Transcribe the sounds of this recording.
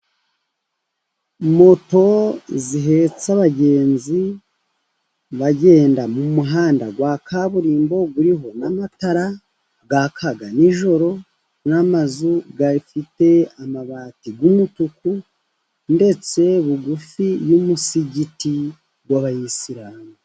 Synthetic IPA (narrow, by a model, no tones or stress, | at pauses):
mo̞to̞ziɦe̞t͡saβaɟe̞ːnzi | βaɟe̞ːndamumuɦaːndaɡwakaβuɾiːmbo̞ɡuɾiɦo̞namataɾa | ɡakʰaɡaniʒo̞ɾo̞ | namazuɡaɾifite̞amaβatiɡumutuku | nde̞t͡se̞βuɡufijumusiɟiti | ɡwaβajisiɾaːŋa